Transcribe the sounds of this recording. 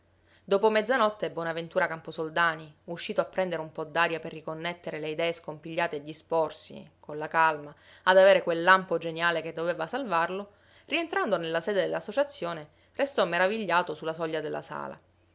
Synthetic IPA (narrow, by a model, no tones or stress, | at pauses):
d̪oːpomɛd̪zːanɔt̪ːebːwɔːnavent̪uːɾakamposold̪aːniuʃːiːt̪oapːɾɛnd̪eɾeumpɔd̪ːaːɾjaperːikonːet̪ːeɾeleid̪ɛːeskompiʎːaːt̪ed̪ːispɔrsḭkonlakalma | ad̪aveːɾekwelːampod͡ʒenjaːleked̪ːoveːvasalvarlo | rient̪ɾand̪onelːasɛːd̪ed̪elːasːot͡ʃat̪sːjoːne | rest̪ɔmːeɾaviʎːaːt̪osulːasɔʎːad̪elːa̰sa̰ːla̰